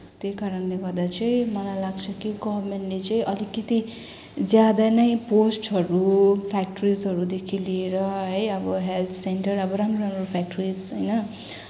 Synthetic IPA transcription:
t̪ekaɾʌnleɡʌɾd̪at͡sʌĩmʌnalaɡt͡sʰʌkiɡʌmenʈlet͡sʌĩʔʌlikːʌt̪i | d͡zjad̪anʌjposʈɦʌɾupʰak̚ʈɾizɦʌɾud̪ekʰilieɾʌɦʌjʌbʌɦelt̪ʰseɳʈʌrʌbʌɾamroɾamropʰak̚ʈɾid͡zɦʌjnʌ

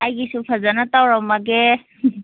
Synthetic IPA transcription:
ajɡisupʰazanatawɹɔmaɡɛ

